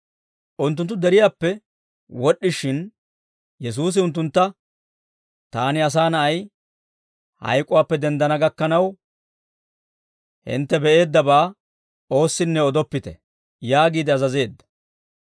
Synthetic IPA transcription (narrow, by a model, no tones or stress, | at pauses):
ʔʊnt̪ːʊnt̪ːʊd̪ɛɾɪjaːpːɛ | wɔɗːɪʃɪn | jɛs̬uːs̬ɪʊnt̪ːʊnt̪ːɐ | t̪aːnɪɐs̬aːnɐʔɐj | hɐ̰jkʼʊwaːpːɛd̪ɛnd̪ɐnɐɡɐkːɐnɐw | hɪ̰nt̪ːɛbɛʔe̞ːd̪ːɐbaː | o̞ːsːɪnːɛɔd̪ɔpːɪt̪ɛ̰ | jaːɡiːd̪ɪɐzɐze̞ːd̪ːɐ̥